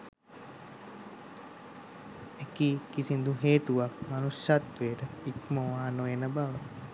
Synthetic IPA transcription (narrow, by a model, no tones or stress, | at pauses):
ekiːkisind̪uɦeːt̪uʋakmanusjat̪ʋeːʈəikməʋaːnojenəbaʋə